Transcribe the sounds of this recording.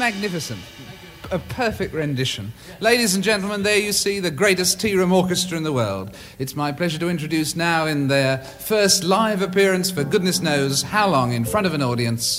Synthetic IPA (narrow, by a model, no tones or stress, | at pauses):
mæɡ̚nɪfɨsɨ̃nt | ɨpʰɜ˞fɨk̚t̚ɹɨ̃ndɪʃɨ̃n | leɪɾizɨ̃n̩d͡ʒɛ̃ntˡl̩ˠmə̃nðə˞jɨsiðɨɡɹeɪɾɨstʰiɹɨ̃mɔɹkɨstə˞ɨ̃nðəwɜ̰˞lˠd | ɨtsmaɪpʰl̥ɛʒə˞ɾɨɪ̃nt͡ʃɹ̥ɨdʉsnaʊɪ̃nðə˞ | fɜ˞stˡlaɪvɨpʰɪɹɨ̃nsfə˞ɡʊdⁿnɨsnoʊz̥haʊlɔ̃ŋɨ̃nfɹʌ̃ɾ̃ʌvɨ̃nɔɹɾiɨ̃ns